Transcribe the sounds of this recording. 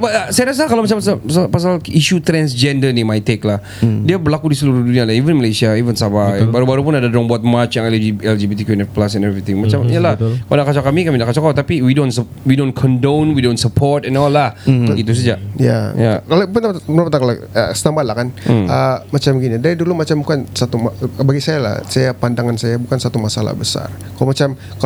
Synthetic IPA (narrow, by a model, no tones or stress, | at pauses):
bat̪əsajaɾas̬akalowmat͡ʃampsaasapas̬aliʃut̪ɾɛnsd͡ʒɛndənimajt̪eklah | diabərlakudisəluɾuhdunialaivənməlesiaivənsabajbaɾubaɾupʊnadadɾɔŋbɔat̪̚mat͡ʃjaŋɛld͡ʒiɛld͡ʒibit̪ikunɛt̪̚plasɛ̃nɛvɾit̪ɪ̃ŋmat͡ʃamijalahkaldaʔkat͡ʃakamikamidaʔkat͡ʃakat̪apiwidõnsə | widonkʰɔndonwidont̪səpʰɔrt̪ɛnɔlːahɡit̪̬us̬ad͡ʒaja̰jakalopənt̪apnapanakalo | ə̰st̪ambalahkanəmat͡ʃamɡinidaɾidulumat͡ʃambukansat̪umabaɡisajala̰hsajapandaŋansajabukansat̪umasala̰hbəsa̰r | kalomat͡ʃam | ka